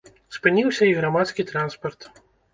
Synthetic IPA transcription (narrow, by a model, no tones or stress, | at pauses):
spɨnʲiwsʲɐiɣɾamat̪skʲit̪ɾanspɐrt̪